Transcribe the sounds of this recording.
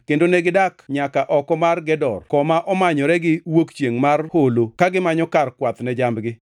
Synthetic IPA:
kendonɛɡɪdakɲakaʔɔkɔmarɡɛdɔrkɔmaʔɔmaɲɔɾɛɡɪwokt͡ʃjeŋmarholokaɡɪmaɲɔkarkwat̪nɛd͡ʒambɡɪ

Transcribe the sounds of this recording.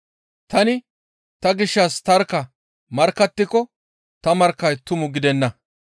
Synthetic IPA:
t̪ɐnɪ | t̪ɐɡɪʃːɐst̪ɐɾkːɐ | mɐɾkːɐt̪ːɪkɔ | t̪ɐmɐɾkːɐjt̪ʊmʊɡɪd̪ɛnːɐ

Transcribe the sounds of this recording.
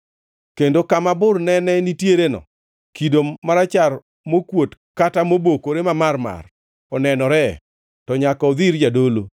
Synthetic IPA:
kendokamabʊrnɛnɛnitjeɾenɔ̰ | kidomaɾat͡ʃar | mokwotkatamobokoɾemamarma̰r | ɔnɛnɔɾɛ | tɔɲakɔd̪iɾd͡ʒadolo

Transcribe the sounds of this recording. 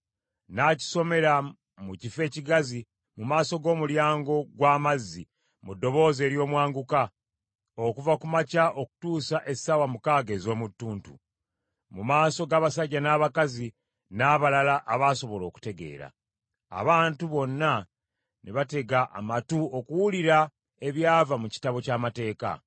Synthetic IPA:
naci̥so̞me̞ɾa | mucife̞ːciɡazi | mumaːso̞ɡo̞ːmuljaːŋɡo̞ɡwaːmazːi | mudːo̞βo̞ːze̞ːɾjo̞ːmwaːŋɡuka | okuvakumacaʔo̞ku̥tuːsaʔe̞sawamukaːɡeːzo̞ːmutːuːntṵ | mumaːso̞ɡaːβasaɟːanaːβakazi | naːβalalaʔaβaso̞βo̞lo̞ːku̥te̞ɡe̞̰ːɾa̰ː | βaːntuβo̞nːa | neβate̞ɡaʔa̰matuo̞kuwuliɾa | e̞βjaːvamuci̥taβo̞caːmate̞ːka̰

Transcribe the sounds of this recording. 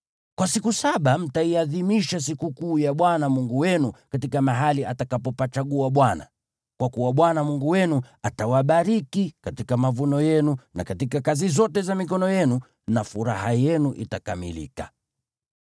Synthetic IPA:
kwasikusaɓam̩taiaðimiʃas̬ikukuːjaɓwanamuŋɡuwɛnukatikamaɦaliatakapɔpat͡ʃaɠuaɓwana̰ | kwakuwaɓwanamuŋɡuwɛnuatawaɓaɾikikatikamavunɔjɛnuna̰katikakazizɔtɛzamikɔnɔjɛnu | nafuɾahajɛnuʔitakamḭlḭka̰

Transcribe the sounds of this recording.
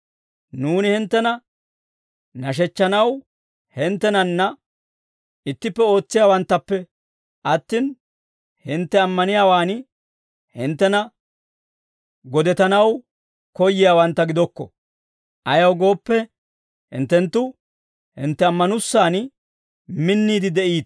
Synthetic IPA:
nuːnɪhɪnt̪ːɛnɐ | nɐʃ̬ɛt͡ʃːɐnɐw | hɪnt̪ːɛnɐnːɐ | ɪt̪ːɪpːɛo̞ːt͡sːɪjaːwɐnt̪ːɐpːɛ | ʔɐt̪ːiːn | hɪnt̪ːɛɐmːɐnɪjaːwaːnɪ | hɪnt̪ːɛnɐ | ɡɔd̪ɛt̪ɐnɐw | kɔjːɪjaːwɐnt̪ːɐɡɪd̪ɔkːɔ̰ | ʔɐjɐwɡo̞ːpːɛ | hɪ̰nt̪ːɛnt̪ːʊ | hɪ̰nt̪ːɛɐmːɐnʊsːaːn | mɪnːiːd̪ɪd̪ɛʔiːt̪

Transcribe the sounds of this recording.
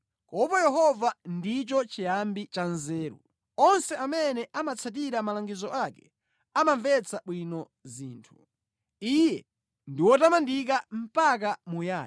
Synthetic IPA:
kɔpɔjɛɦɔvandit͡ʃɔt͡ʃijambit͡ʃanzɛːɾṵ | ɔnsɛamɛnɛʔamat͡sʰat̬iɾamalaŋɡizɔʔakɛ | amaɱvɛt͡sʰaɓwinɔ | zḭːntʰu̥ | ijɛ | ndiwɔtamandik̬am̩pak̬amujaː

